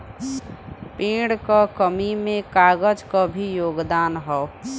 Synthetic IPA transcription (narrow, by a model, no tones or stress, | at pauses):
pẽːɽkakəmimẽkaːɡəd͡ʒkabʱijoːɡd̪aːnɦɛo